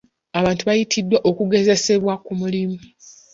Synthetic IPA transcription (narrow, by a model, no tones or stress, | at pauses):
aβaːntuβajitʰidːwaʔo̞kuɡe̞ze̞se̞βwakumulimu